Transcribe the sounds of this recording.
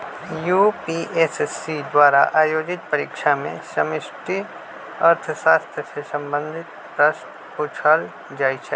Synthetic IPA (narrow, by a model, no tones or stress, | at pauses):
juːpiʔeːsesːid̪ʋwaːɾa̰ʔaːjoːd͡ʒɪt̪pɐɾɪkʃamẽsɐmɪʃʈi | ɐɾt̪ʰʃaːst̪ʰjəsesɐ̃mbə̃nd̪ʱɪt̪̚ | pɾɐʃʈ | puːt͡ʃʰəl | d͡ʒaːit͡ʃʰɛ